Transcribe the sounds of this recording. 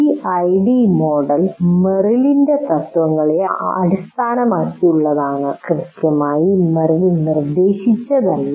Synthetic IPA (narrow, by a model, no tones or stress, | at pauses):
iɐjɖimo̞ːɖɐlmerilinde̞t̪ɐt̪ːʋɐŋːɐɭeɐɐ̰ɽist̪ʰaːnɐmaːtːiuɭːɐðaːɳɨkrɨðikːjɐmaːjimerilinird̪e̞ːɕit͡ɕːɐðɐlː